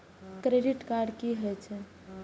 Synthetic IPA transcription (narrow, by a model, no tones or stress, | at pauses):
kɾeɖiʈkaɾɖkiɦojt͡ʃʰɛ